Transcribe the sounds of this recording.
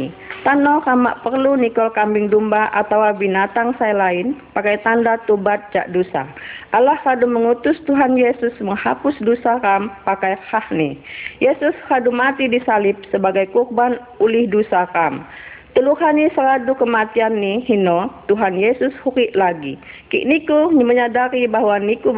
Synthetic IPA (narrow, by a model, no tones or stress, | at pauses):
t̪anɔrama̰ʔpərlunikɔlkambɪŋdumbaʔa̰t̪awabinat̪aŋsajlaɪnpakajt̪andat̪obat̪̚d͡ʒa̰ʔdusa̰ʔalahraduməŋut̪ʊst̪uɦanjesʊsməŋha̰pʊsdusarampakajhahnihjesʊsradumat̪idisalɪp̚səbaɡajkurban | ulɪhdusaram | t̪əluhanisəɾadukəmat̪ianːihinɔt̪uɦanjesʊshuɾɪʔlaɡikḭʔnikuməɲadaɾibahwaniku